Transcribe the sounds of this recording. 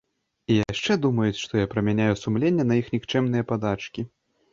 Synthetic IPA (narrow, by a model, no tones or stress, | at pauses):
ijaʂt͡ʂɛd̪umɐjut͡sʲʂt̪ɔjapɾɐmʲanʲajusumlʲenʲːɐnɐixnʲikt͡ʂɛmnɨjɐpad̪at͡ʂkʲi